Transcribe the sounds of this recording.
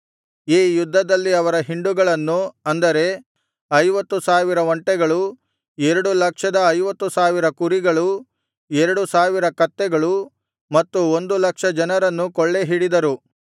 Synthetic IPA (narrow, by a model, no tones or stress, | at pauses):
iːjud̪ʱːɐd̪ɐlːiɐʋɐɾɐɦiɳɖuɡɐɭɐnːuɐnd̪ɐɾe̞ | ɐjʋɐt̪ːusaːʋiɾɐʋɐɳʈɛɡɐɭu | ɛɾɐɽulɐkʂɐd̪ɐːjʋɐt̪ːusaːʋiɾɐkuɾiɡɐɭu | ɛɾɐɽusaːʋiɾɐkɐt̪ːɛɡɐɭu | mɐt̪ːuo̞nd̪ulɐkʂɐd͡ʒɐnɐɾɐnːukɔɭːeɦiɽid̪ɐɾu